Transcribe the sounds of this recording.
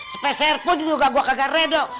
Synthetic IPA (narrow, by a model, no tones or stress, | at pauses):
spɛsɛrpʊnd͡ʒd͡ʒuɡaɡuakaɡarɛdo